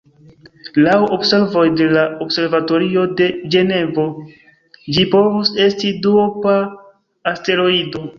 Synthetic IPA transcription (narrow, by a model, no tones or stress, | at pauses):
lawobse̞ɾvo̞jde̞laobse̞ɾvato̞ɾiode̞d͡ʒe̞ne̞vo̞ | d͡ʒipo̞vuse̞stidupaː | ste̞ɾo̞ido̞